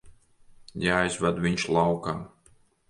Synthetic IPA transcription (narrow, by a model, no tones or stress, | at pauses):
jaːjzvad̪viɲʃlˠawkaː